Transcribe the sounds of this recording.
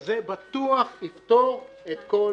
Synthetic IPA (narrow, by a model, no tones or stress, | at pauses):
zebat̪uaχift̪oʁ | et̪ko